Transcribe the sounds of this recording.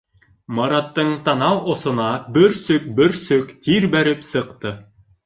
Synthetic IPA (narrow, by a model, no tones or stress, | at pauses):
mɑɾɑt̪ːɤɴt̪ɑnɑwʔŏsŏnɑbɘɾsɵk̚bɘɾsɵkt̪iɾbæɾɘpsɤ̆qt̪ɤ